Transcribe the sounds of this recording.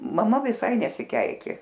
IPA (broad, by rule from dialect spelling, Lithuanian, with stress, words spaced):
mɐˈmɐ ʋʲɪˈsɐɪ nʲɛsʲɪˈkʲɛɪkʲeː